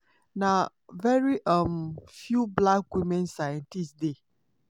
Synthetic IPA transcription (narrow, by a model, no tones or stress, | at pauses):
na | vɛɹiʔʌmfjublakwimɛ̃nsajɛ̃ntistde